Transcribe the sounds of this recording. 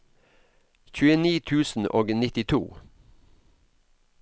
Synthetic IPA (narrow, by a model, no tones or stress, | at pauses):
çʉːəniːt̪ʰʉːsn̩ʔoːɡnɪt̪ɪt̪ʰṵː